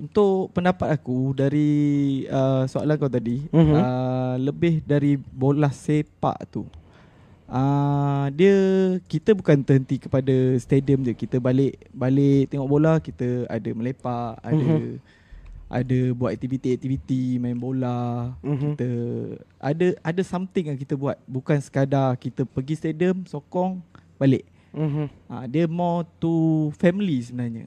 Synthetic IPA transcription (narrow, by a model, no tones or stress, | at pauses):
unt̪ʊʔpəndapat̪̚akudaɾi | əsoa̰lankawt̪adiələbɪhdaɾibolahsepa̰ʔt̪ṵ | ədiəkit̪əbukant̪əɦənt̪ikəpadəst̪ediəmd͡ʒukit̪əbalɪʔbalɪʔt̪eŋɔʔbolahkit̪əa̰dəməlepaʔa̰də | ʔa̰dəbuat̪ɛk̚t̪ivit̪iɛk̚t̪ivit̪imãmbolakit̪əʔa̰dəadəsamt̪ɪŋjaŋkit̪əbuat̪̚bukansə̥kadakit̪əpəɡist̪ediəmsokɔŋbaleʔ | a̰diəmɔt̪ufɛmilisəbənaɲə̰